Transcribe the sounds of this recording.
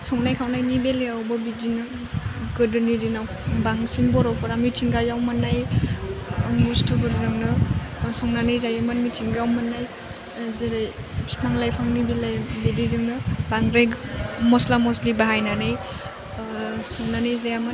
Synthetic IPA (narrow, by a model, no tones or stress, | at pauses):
sɔŋnajkʰawnajnibelejawbɐbidinɯ | ɡɯdɯnidinaw | baŋsiŋbɔɾɔpʰɔɾamitʰiŋɡajawmanaj | mustʰubɯɾzɯŋnɯsɔŋnanajzajamanmitʰiŋɡawmanːaj | zaɾaj | maŋlajpʰaŋnibelajbedizɯŋnɯbaŋɾeɡmɔslamɔslibaɦajnanaj | sɔŋnanajzajaman